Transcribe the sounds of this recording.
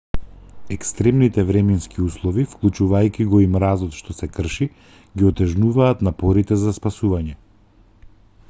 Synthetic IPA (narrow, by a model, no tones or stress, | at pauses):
ɛkst̪ɾɛmnit̪ɛvɾɛmɛnskiuslˠɔvifklˠut͡ʃuvajkʲiɡɔimɾazɔt̪ʃt̪ɔsɛkr̩ʃi | ɡiɔt̪ɛʒnuvaːt̪napɔɾit̪ɛzaspasuvaɲɛ